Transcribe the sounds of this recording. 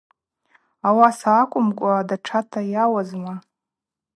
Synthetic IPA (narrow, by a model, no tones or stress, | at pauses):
awasaːkʷʼʊmkʷʼadaʈ͡ʂʰatʰajawazma